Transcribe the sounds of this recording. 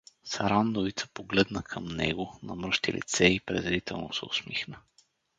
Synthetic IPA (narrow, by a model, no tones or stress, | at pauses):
saɾand̪ovit̪sə̥poɡlɛd̪nəkʰəmnɛ̰ɡʊnɐmɾɤʃt̪ilḭt̪sɛipɾɛ̰zɾit̪ɛlˠnosɛʊ̰smixnə